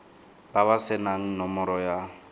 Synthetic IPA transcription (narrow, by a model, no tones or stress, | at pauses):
b̥aβasɪnan̩nɔmɔɾɔja